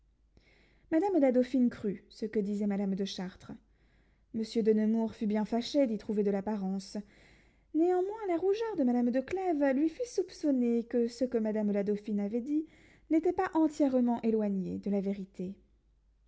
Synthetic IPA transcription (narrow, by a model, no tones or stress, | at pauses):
mad̪amlad̪ofinkχysəkəd̪izɛmad̪amd̪əʃaʁt̪χə | məsjød̪ənəmuʁfybjɛ̃faʃed̪it̪χuved̪əlapaʁɑ̃s | neɑ̃mwɛ̃laʁuʒœʁd̪əmad̪amd̪əklɛvlɥifysupsɔnekəsəkəmad̪amlad̪ofinavɛd̪i | net̪ɛpaʔɑ̃t̪jɛʁmɑ̃ʔelwaɲḛd̪əlaveʁit̪e